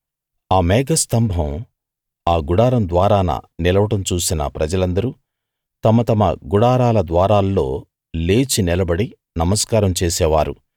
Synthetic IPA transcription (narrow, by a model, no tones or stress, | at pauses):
aːmɛːɡɐst̪ɐmbʱɐm | aːɡuɽaːɾɐmd̪ʋaːɾaːnɐ̰nilɐʋɐʈɐmt͡ʃuːsinɐ̰pɾɐd͡ʒɐlɐnd̪ɐɾu | t̪ɐmɐt̪ɐmɐɡuɽaːɾaːlɐd̪ʋaːɾaːlːo̞ː | le̞ːt͡ʃinilɐbɐɽi | nɐmɐskaːɾɐmt͡ʃeːsɛːʋaːɾṵ